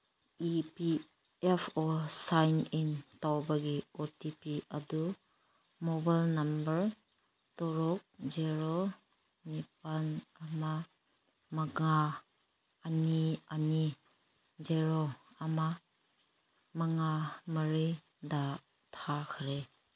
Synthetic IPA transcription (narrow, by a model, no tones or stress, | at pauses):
ipi | epʰɔsajnintawbaɡiɔtipiɐdu | mɔbajlnambəɾ | tɔɾɔk̚d͡ʒeɾo | nip̚anama | mɐɡaː | niani | d͡ʒeɾoː | ma | mɐŋaməɾi | da | tʰakʰɾe